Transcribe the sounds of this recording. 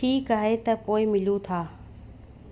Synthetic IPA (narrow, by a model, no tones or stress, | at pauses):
ʈʰiːkaːɦet̪ɐpoːɪmɪlũt̪ʰaː